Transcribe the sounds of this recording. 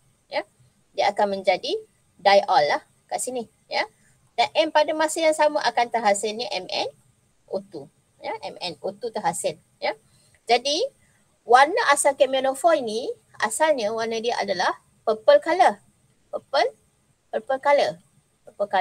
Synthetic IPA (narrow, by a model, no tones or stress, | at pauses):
ja | diəakanmə̃ɲd͡ʒadi | dajʔɔlːah | kaʔsini | ja | danʔɛnpadamasəjaŋsamaʔakant̪əɦasɪlɲəʔɛmɛ̰n | kot̪u | jaʔɛ̰mɛ̰nkot̪ut̪əɦasɪl | ja | d͡ʒadi | warnaʔasalkɛminofɔlini | a̰salɲəwanədiaʔa̰dalah | pəpəlkalə | pəpəl | pəpəlkalə | pəpəlka